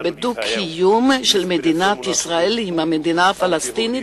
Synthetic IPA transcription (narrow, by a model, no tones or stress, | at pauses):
bed̪ukʰijumʃelmed̪inat̪isʁaelimamed̪inaafalast̪ini